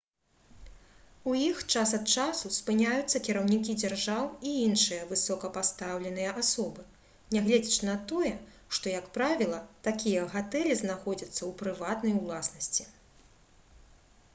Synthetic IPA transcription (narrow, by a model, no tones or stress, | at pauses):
ujixt͡ʂasɐt̪̚t͡ʂasuspɨnʲajut̪sːɐkʲiɾɐwnʲikʲid͡zʲarʐawiinʂɨjɐvɨsɔkɐpast̪awlʲɛn̪ɨjɐʔasɔbɨ | nʲɛɣlʲɛd͡zʲit͡ʃnɐt̪ɔjɛ | ʂt̪ɔjɐkpɾavʲilˠɐt̪akʲijɐɣat̪ɛlʲiznaxɔd͡zʲɐt̪sːɐwpɾɨvat̪nɐjulˠasnɐsʲt͡sʲi